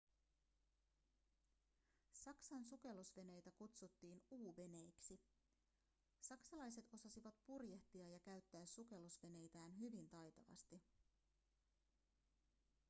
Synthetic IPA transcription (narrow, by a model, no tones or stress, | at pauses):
sɑksɑnsuke̞losʋe̞ne̞jt̪ækut̪sut̪ːiːnuːʋe̞ne̞jksi | sɑksɑlɑjse̞t̪o̞sɑsiʋɑt̪̚purjeht̪iɑjɑkæɥt̪ːæːsuke̞lusʋe̞ne̞jt̪æːnɦyʋint̪ɑjt̪ɑʋɑ̰st̪i